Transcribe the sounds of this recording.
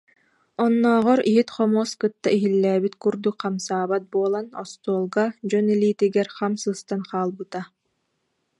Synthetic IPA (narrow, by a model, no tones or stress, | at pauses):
ɔnːɔːʁɔɾiɦit̪χɔmuɔskɯt̪ːaiɦilːæːbit̪kuɾd̪ukqamsaːbat̪̚buɔlˠanɔst̪uɔlˠɡad͡ʑɔnɛliːt̪iɡɛɾχamsɯːst̪anqaːlˠbɯt̪a